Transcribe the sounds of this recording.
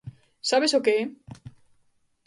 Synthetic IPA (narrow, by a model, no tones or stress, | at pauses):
saβesokee